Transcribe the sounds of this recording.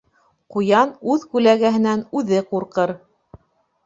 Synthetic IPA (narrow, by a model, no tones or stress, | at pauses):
qujɑnʉðkʉlæɡæɦɘ̆nænʉðɘquɾqɤɾ